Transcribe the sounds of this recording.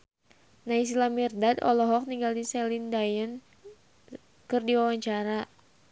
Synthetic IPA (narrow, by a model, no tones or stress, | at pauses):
nais̬ilamirdadɔlɔɦɔk̚niŋɡaldisɛlindajən | kɨrdiwawaɲt͡ʃaɾa